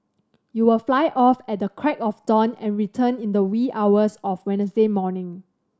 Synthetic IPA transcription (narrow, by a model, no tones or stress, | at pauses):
juwɪlflaɪʔɔfɛt̚dəkʰɹɛkɔfdɔ̃nɛ̰̃nɹitʰə̃nĩndəwiawəsɔfwɛ̃nəsdemɔnɪ̃ŋ